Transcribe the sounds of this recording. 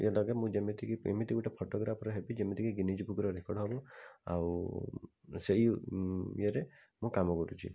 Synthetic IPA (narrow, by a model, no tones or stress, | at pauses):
elɔɡemũd͡ʒemit̪ikiḛmit̪iɡuʈepʰoʈɔɡɾapʰɔɾɔɦebid͡ʒemit̪ʰikiɡinid͡ʒbukɾɔɾekɔɽɦɔbɔa̰w | seɦi | eɾe | mũkamɔkɔɾṵt͡ʃʰḭ